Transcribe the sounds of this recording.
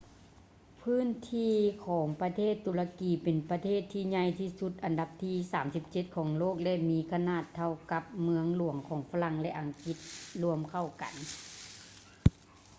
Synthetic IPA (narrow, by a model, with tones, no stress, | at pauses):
pʰɯː˥˨nt̪ʰiː˧kʰɔː˩˦ŋpa˧t̪ʰeː˥˩t̪ʰːu˨˦la˧kiː˨˦pe˨npa˧t̪ʰeː˥˩t̪ʰːiː˧ɲa˧jt̪ʰiː˧˩su˧t̪̚ʔa˨nda˧p̚t̪ʰiː˧˩saː˩˦msi˧˥p̚t͡ɕe˧t̪̚kʰɔː˩˦ŋloː˥˩k̚lɛ˧ʔmiː˧˥kʰa˧naː˧˩t̪ʰːa˧wka˧˦p̚mɯ˧əŋlu˨˩˦əŋkʰɔː˩˦ŋfa˧la˧˥˨ŋlɛ˧ʔa˨˩ŋki˧˦t̪̚lu˧əmkʰa˧˩wka̰˨˦n